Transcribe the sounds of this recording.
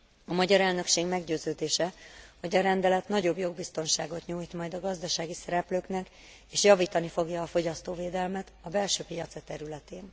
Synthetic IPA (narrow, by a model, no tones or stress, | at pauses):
ɒmɒɟɒɾɛlnø̞kʃeːɡmɛɡɟøːzøːd̪eːʃɛho̞ɟɒɾɛnd̪ɛlɛt̪nɒɟobjo̞ɡ̚bist̪o̞nʃaːɡo̞t̪ɲuːjt̪mɒjd̪ɒɡɒzd̪ɒʃaːɡisɛɾɛpløːknɛk | eːʃjɒviːt̪ɒnifo̞ɡjɒːfo̞ɟɒst̪oːveːd̪ɛlmɛt̪ɒbɛlʃøːpijɒt̪sɛt̪ɛɾylɛt̪eːn